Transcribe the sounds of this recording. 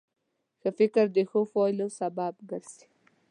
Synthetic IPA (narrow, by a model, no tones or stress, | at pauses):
xəfɪkəɾd̪exofɔjlosabab̚ɡəɾsi̥